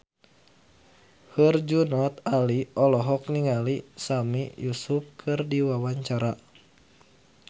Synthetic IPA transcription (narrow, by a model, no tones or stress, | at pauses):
hɨrd͡ʒunɔt̪aliɔlɔɦɔk̚niŋalisamijusup̚kʰɨrdiwawaɲt͡ʃaɾa